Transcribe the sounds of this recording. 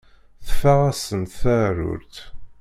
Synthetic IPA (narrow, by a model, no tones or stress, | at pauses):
θəfæʁæsənt̪θæɾʊ̰ɾt̪